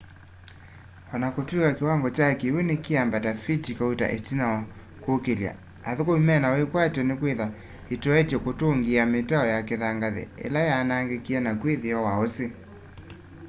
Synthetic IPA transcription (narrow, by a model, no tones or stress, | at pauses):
wanakotwikakewaŋɡɔt͡ʃakewenekeambatafitikaweta̰ʔetinaw | kokelja̰ | aðokoimɛnawekwatɔnekweða | etɔɛtjɛkotoŋɡiametaɔjakeðaŋɡaðɛ̰ḛlajanaŋɡekianakweðeawaɔse